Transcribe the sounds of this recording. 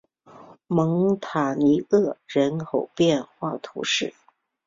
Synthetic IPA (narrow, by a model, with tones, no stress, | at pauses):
mɤ˧˥ŋt̪ʰa˨˩ni˧˥ɤ˥˩ɻə˧˥nkʰo˨˩ʊpjɛ˥˧nxwa˥˩t̪ʰṵ˧˥ʂɻ̩˥˩